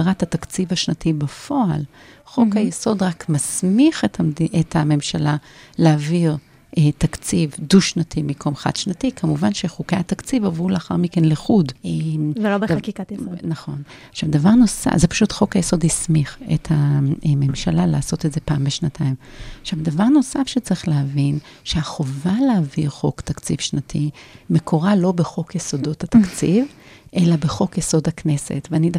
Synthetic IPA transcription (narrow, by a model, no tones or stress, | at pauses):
ʁathat̪akt͡sivaʃnatibafo̞alχo̞khajeso̞d̪ʁakmasmiχetaʔetʰame̞mʃalaleaviʁ | ʔetakt͡sivduʃnatʰimikʰo̞mχa̰d̪̥ʃnatikʰamuvanʃeχukejat̪akt͡sivavʁuleaχa̰ʁmikenliχudʔemvelobed̪kikanaχo̞n | aχʃavd̪avaʁno̞sa̰zepḁʃutχo̞kajeso̞dhismiχḛthame̞mʃalalaːso̞tetze̞paːmbeʃnatʰaimaχʃavd̪avaʁno̞safʃet͡sʁiχleɦavinʃeaχovaleaviʁχo̞kt̪akt͡sifʃnatʰime̞kʰo̞ʁalo̞beχo̞kjeso̞do̞thatakt͡sivʔe̞labeχo̞kjeso̞dhaknese̞̰tveanida